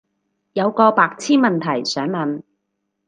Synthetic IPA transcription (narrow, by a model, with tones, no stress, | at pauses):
jɐ˨˧wkɔː˧paː˧k̚t͡sʰiː˥nmɐ˨nt̪ʰɐ˨˩jsœː˨˥ŋlɐ˨n